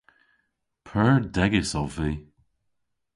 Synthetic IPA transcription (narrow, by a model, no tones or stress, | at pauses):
pʰɜɹd̪ɛɡɪsɔviː